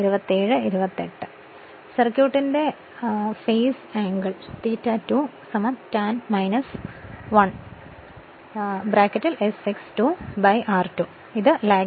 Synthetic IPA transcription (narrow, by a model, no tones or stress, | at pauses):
iɾubɐt̪ːeːɻɨiɾubɐt̪ːeʈːɨ̥ | sɐrkjuːʈːinde̞ | feːsaːŋɡɐɭt̪iːtːaːtːuː | sɐmɐt̪taːnmɐjnɐsʋɐɳ | bɾaːkːɐtːilesikstubɐjʔaːrtu | iðɨlaː